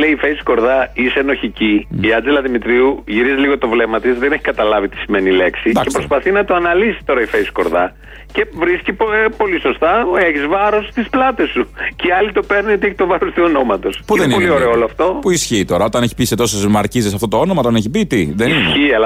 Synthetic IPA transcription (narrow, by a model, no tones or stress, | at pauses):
leiːfejsko̞ɾðɐiseno̞çiciiɐnd͡zelɐðimit̪ɾiuʝiɾiziliɣo̞t̪o̞vle̞mɐt̪isðe̞ne̞çi̥kɐt̪ɐlɐvit̪i̥simenile̞ksid̪ɐcepɾospɐθinɐt̪oɐnɐlisi̥t̪o̞ɾɐifejsko̞ɾðɐ | ce̞vɾiscippo̞liso̞st̪ɐeçizvɐɾo̞st̪isplɐt̪e̞sːuceɐlit̪o̞pe̞ɾniot̪ieçi̥t̪o̞vɐɾost̪iono̞mɐt̪o̞spuðenpolioɾeooloɐft̪o̞puisçiːt̪o̞ɾɐo̞t̪ɐneçi̥piset̪o̞sezmɐɾcizisɐft̪o̞t̪oo̞nomɐot̪ɐneçibit̪iðenisçiɐlɐ